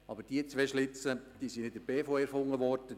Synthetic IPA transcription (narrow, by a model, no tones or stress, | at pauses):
ɑbəɾd̥iət͡sʋɛʃlɪt͡səd̥iːsinɪdəb̥eːfoɛɾfʊŋːəʋɔɾdə